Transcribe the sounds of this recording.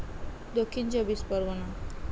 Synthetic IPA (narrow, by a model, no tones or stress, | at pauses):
d̪okʰːint͡ʃobispɔɾʋɔna